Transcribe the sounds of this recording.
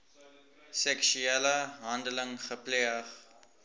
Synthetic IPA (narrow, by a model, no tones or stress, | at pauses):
sɛkʃyɛləɦandələŋχəpleəχ